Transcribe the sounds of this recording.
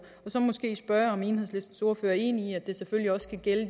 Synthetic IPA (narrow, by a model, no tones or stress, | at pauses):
ɒ̽sɒ̽mɒ̽sɡ̥e̝̰ːsb̥ɶɐɒ̽meːnheð̰ˠsle̝sd̥n̩so̝ɐføːɐe̝ːniiæd̥e̝seføliɒ̽skʰæɡ̥el